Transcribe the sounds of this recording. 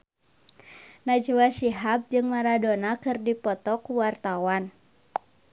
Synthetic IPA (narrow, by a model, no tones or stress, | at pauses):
nad͡ʒuwasiɦap̚d͡ʒɨŋmaɾadonakɨrdipɔt̪ɔkuwart̪awan